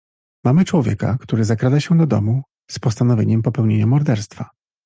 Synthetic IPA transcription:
mamɘt͡ʂwɔvʲjḛka̰kt̪uɾɘzakɾad̪aɕɛd̪ɔd̪ɔ̰mu | spɔst̪anɔvʲeɲɛmpɔpɛwɲeɲamɔɾd̪ɛɾst̪fa

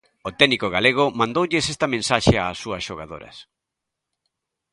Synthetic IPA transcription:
ʊt̪ɛnikoɣaleɣ̞ʊmãnd̪owʎɪsɛst̪ɐmẽnsaʃea̰ːsːuɐsʃoɣaðo̰ɾɐ̰s

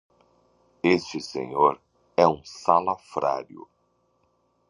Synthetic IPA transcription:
est͡ʃɪsḛɲoɾ | ɛũsalafɾa̰ɾjʊ̰

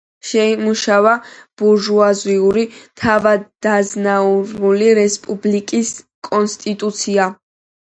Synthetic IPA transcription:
ʃɛimuʃavab̥uɾʒuaziuɾit̪ʰavad̪d̪aznauɾuliɾɛspʼublikʼis | kʼɔnst̪ʼit̪ʼut̪sʰia

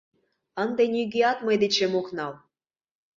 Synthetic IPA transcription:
ənd̪enʲyɡʲeɑt̪mɤd̪et͡ɕemoknɑl

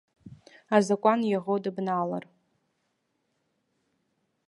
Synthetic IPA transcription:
azakʷʼanjaʁodɨbnala̰r

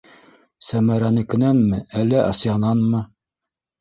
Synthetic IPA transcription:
sæmæɾænɘ̆kɘ̆nænmɘʔælːæʔɑsjɑnɑnmɤ

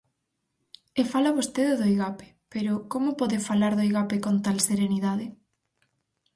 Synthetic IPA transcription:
efalaβost̪eðɪðojɣape̥peɾʊkomʊpɔðɪfalaɾðojɣapekont̪alseɾeniðaðɪ

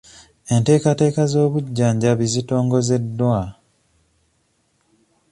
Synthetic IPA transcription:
e̞nte̞ːkate̞ːkazo̞ːβuɟːaːɲɟaβizito̞ːŋɡo̞ze̞dːwa

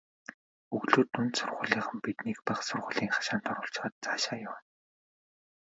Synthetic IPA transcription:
ɵɣɮoːt̪unt̪sʊrʁʊ̰̆ːɮiːχə̆mpit̪niːkpaχsʊrʁʊːɮiːŋχḁʃaːnt̪ʰɔɾʊ̆ːɬt͡ɕ̆χə̆ːt̪̚t͡saːʃaːjʊwn

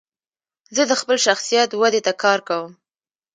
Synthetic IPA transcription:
zəd̪əxpəlʃaxsijat̪wad̪et̪akɑɾkawəm

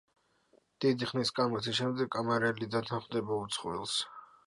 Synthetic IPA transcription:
d̪̥id̪iχniskʼamɔt̪ʰiʃɛmd̪ɛɡʼamaɾɛlid̪at̪ʰanχmd̪ɛbaut̪sʰχwḭlˠs

